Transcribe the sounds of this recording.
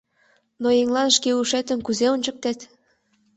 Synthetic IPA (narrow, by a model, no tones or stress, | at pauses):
noeŋlɑnʃkeuʃet̪ə̆nkuzeonʲt͡ɕɤ̆k̚t̪et̪